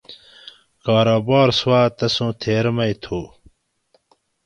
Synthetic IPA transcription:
kaːɾoːbɑːɾswaːt̪ɐsũːt̪ʰeːɾmɐit̪ʰuː

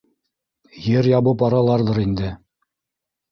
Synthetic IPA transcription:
jɘɾjɑβɤpɑɾɑlˠɑɾðɤɾind̪ɘ

